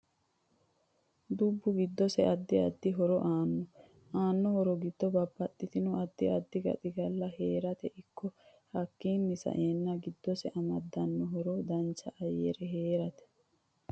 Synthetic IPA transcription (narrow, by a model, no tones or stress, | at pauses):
d̪ubːʊɡɪd̪ːɔsɛɐd̪ːɪɐd̪ːɪɦɔɾɔʔaːnːɔ | aːnːɔhɔɾɔɡɪd̪ːɔbɐbːɐt̪ʼːɪt̪ɪnʊɐd̪ːɪɐd̪ːɪɡɐ̰t̪ʼɪɡɐlːɐheːɾɐt̪ɛʔɪkʰːɔ | hɐkːiːnːɪsɐ̰ʔeːnːɐɡɪd̪ːɔsɛʔɐmɐd̪ːɐnːɔɦɔɾɔd̪ɐnt͡ʃːɐʔɐjḛɾɛɦeːɾɐt̪ɛ̥